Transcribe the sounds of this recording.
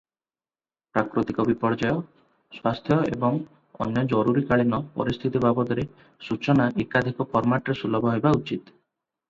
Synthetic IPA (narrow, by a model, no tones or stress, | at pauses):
pɾakɾot̪ikɔbipɔɾd͡ʒajɔ | swast̪ʰjɔḛbɔŋ | ɔ̰njɔd͡ʒɔɾuɾikaɭinɔpɔ̰ɾist̪ʰit̪ibabɔd̪ɔɾe | sut͡ʃɔnaʔekad̪ʱikɔpɔɾmaʈɾesulɔbʱɔɦebaut͡ʃit̪